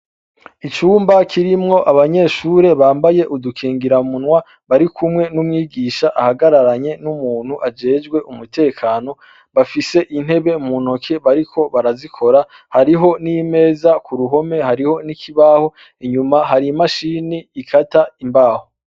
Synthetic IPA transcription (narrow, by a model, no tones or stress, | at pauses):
it͡ʃuːmbakʰiɾimŋo̞ʔaβaɲe̞ːʃuːɾe̞βaːmbaje̞ʔudukʰiːŋɡiɾamunwa | βaɾikʰumŋe̞numŋiːɡiːʃaʔahaɡaɾaɾaɲe̞numuːn̥huʔad͡ʒe̞ːd͡ʒɡwe̞ʔumutʰe̞ːkʰaːno̞ | βafise̞ʔin̥he̞βe̞muno̞kʰe̞βaɾikʰo̞βaɾazikʰo̞ɾa | haɾiɦo̞nime̞ːzakuɾuɦo̞me̞haɾiho̞nikʰiβaːho̞ | iɲumaɦaɾimaʃiːniːkʰataimbaːho